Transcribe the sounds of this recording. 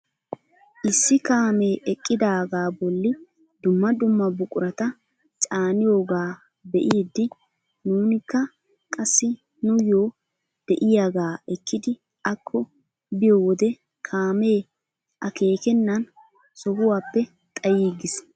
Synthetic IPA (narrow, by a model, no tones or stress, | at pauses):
ʔɪsːɪkaːme̞ːʔɛkʼːɪd̪aːɡaːbɔlːɪ | d̪ʊmːɐd̪ʊmːɐbʊkʼʊɾɐt̪ɐ | t͡ʃʼaːnɪjoːɡaː | bɛʔiːd̪ːɪ | nuːnɪkːɐ | kʼɐsːɪ | nʊjoː | d̪̥ɛʔɪjaɡaːɛkːɪd̪ɪ | ɐkʰːɔ | bɪjoːwɔd̪ɛ | kʰaːme̞ː | ʔɐke̞ːkɛnːɐn | sɔhʊwaːpːɛ | t̪ʼɐjiːɡɪs